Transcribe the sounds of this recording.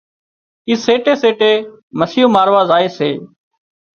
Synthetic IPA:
iːseːʈeːseːʈeːməsiːũːmaːɾʋaːzaːeːseː

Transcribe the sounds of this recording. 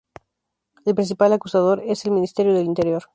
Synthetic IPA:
elpɾinθ̬ipalakusað̞o̞ɾe̞selmĩnist̪e̞ɾjoðe̞lint̪e̞ɾjo̞ɾ

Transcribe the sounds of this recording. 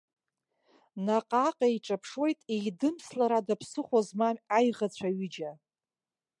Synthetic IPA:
naqʼaqʼaiʈ͡ʂʼapʰʂwo̞jtʼejdɨmslaɾadapʰsɨχʷazmamajʁat͡ɕʷʰaɥid͡ʒa

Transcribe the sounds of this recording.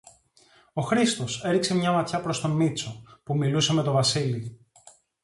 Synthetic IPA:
o̞xɾist̪o̞se̞ɾikse̞mɲɐmɐt̪çɐpɾo̞st̪o̞mit͡so̞pumiluse̞me̞t̪o̞vɐsili

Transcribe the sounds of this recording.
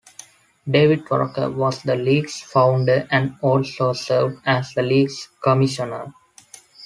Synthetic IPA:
ɖeːʋɪɖ̚ʋɔ̰ɾkə̰ɾʋɔːsd̪əliːɡsfãʊ̃ɳɖəɾæ̃ɳɖɔːlsoːsəːɾʋɖæsd̪əliːɡskɔmɪʃənəɾ

